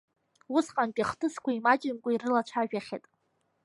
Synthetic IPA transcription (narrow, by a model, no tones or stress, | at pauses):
usqʼanpʲʼaχtʰʼɨskʷʰaimat͡ʃʼɪmkʷʼairɨlat͡ʃʷʰaʒᶣaχʲḛtʼ